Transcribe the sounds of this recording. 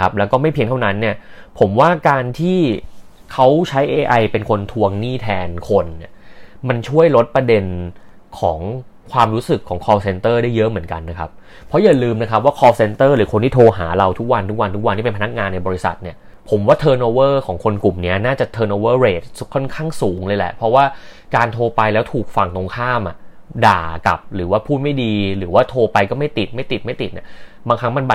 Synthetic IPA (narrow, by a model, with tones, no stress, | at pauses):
a˦˥p̚lɛ˦˥kɔː˥˩ma˥˩jpʰi˧əŋt̪ʰa˥˩wna˦˥nːi˥˩ɐpʰo˩˦mwaː˥˩kaː˧nt̪ʰiː˥˩ | kʰa˦˥wt͡ɕʰa˦˥jʔeː˧ʔa˧jpe˧nkʰo˧nt̪ʰu˧əŋniː˥˩t̪ʰɛː˧nkʰo˧nːi˦˥˩ɐma˧nt͡ɕʰu˥˩əjlo˦˥t̪̚pɾa˧de˧n | kʰɔː˩˦ŋ | kʰwaː˧mɾu˦˥sɯ˨˩kʰːɔː˩˦ŋkʰɔː˧se˧nt̪ɤː˥˩daː˥˩jɤ˦˥ʔmɯ˩˦ənka̰˧nːa˦˥kʰa˦˥p̚ | pʰːɔ˦˥ja˨˩lɯː˧mna˦˥kʰa˦˥p̚waː˥˩kʰɔː˧se˧nt̪ɤː˥˩ɾɯː˩˦kʰo˧nt̪ʰiː˥˩t̪ʰoː˧ɦa̰ː˩˦ɾa˧wt̪ʰu˦˥k̚wa˧nt̪ʰu˦˥k̚wa˧nt̪ʰu˦˥k̚wa˧nt̪ʰiː˥˩pe˧npʰa˧na˦˥k̚ŋaː˧nːa˧jbɔː˧ɾi˦˥sa̰˨˩t̪̚ni˥˩ɐ | pʰo˩˦mwaː˥˩t̪ʰɤː˧noː˧wɤː˥˩kʰɔː˩˦ŋkʰo˧nku˨˩mni˦˥ɐnaː˥˩t͡ɕa˨˩t̪ʰɤː˧noː˧wɤː˥˩ɾeː˨˩t̪̚kʰɔ˥˩nkʰaː˥˩ŋsuː˩˦ŋləɤː˧jlɛ̰˨˩ʔpʰɾɔ˦˥waː˥˩ | kaː˧nt̪ʰoː˧pa˧jlɛː˦˥wt̪ʰuː˨˩k̚fa˧˩ŋt̪o˧ŋkʰaː˥˩mʔa˨˩ | daː˨˩ka̰˨˩p̚ɾɯː˩˦waː˥˩pʰuː˥˩t̪̚ma˥˩jdiː˧ɾɯː˩˦waː˥˩t̪ʰoː˧pa˧jkɔː˥˩ma˥˩jt̪i˨˩t̪̚ma˥˩jt̪i˨˩ma˥˩jt̪i˨˩t̪̚nḭ˦˥˩ɐ | baː˧ŋkʰa˦˥ŋma˧nba˨˩